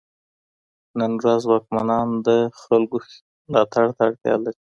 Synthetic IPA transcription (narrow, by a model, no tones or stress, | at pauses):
nənɾazwɑk̚manɑnd̪əxalɡo | mlɑt̪aɽt̪aaɽt̪jɑ̰laɾi